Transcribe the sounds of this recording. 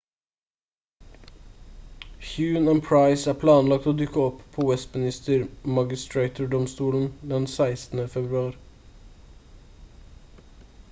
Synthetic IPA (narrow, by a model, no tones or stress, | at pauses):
hjʉːnænpʰɹɑɪsæːpʰlɑːnlɑk̚t̪oːd̪ʉkəɔppʰoːʋɛst̪mɪnɪst̪əɾmɑɡɪst̪ɹeɪt̪ʊɖɔmst̪uːln̩d̪ɛnsæɪst̪n̩əfɛbɾʉɑːɾ